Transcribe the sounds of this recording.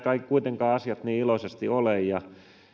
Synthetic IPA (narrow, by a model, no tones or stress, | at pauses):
kɑikkuit̪eŋkɑːɑsiɑt̪niːilosest̪iolejjɑ